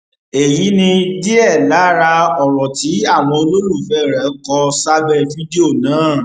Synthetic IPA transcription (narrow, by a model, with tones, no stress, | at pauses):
e˨ji˨˦nĩ˧de˦ɛ˦˨la˨˦˨ɾa˧ɔ˨ɾɔ̃˨ti˨˦a˦˨w̃ɔ̃˧o˧lo˦ɾu˦˨fɛ˦˨ɾɛ˨˦kɔ˧˦sa˦bɛ˦˨fi˦di˦o˦˨nãː˨˦